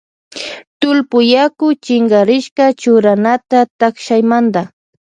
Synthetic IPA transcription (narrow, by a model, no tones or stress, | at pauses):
t̪ʊlpʊjakʊt͡ʃɪŋɡaɾɪʃkat͡ʃʊɾanat̪at̪akʃajmand̪a